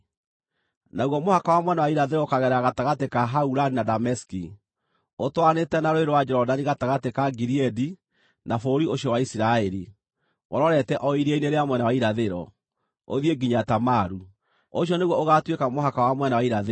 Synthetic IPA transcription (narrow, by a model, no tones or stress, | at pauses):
naɣwɔmohakawamwɛnawaiɾaðeɾɔokaɣɛɾaɣataɣatekaɦauɾaninadamɛski | otwanetɛnaɾoeɾowad͡ʒɛɾɔdaniɣataɣatekaɡiɾiɛdi | nafoɾioɕjɔwaisiɾaɛɾi | ɣɔ̰ɾɔɾɛtɛʔɔiɾeineɾeamwɛnawaiɾaðeɾɔ̰ | o̰ðieɡiɲatamaɾu | oɕ̬jɔneɣwɔoɣatwekamoɦakawamwɛnawaiɾaðe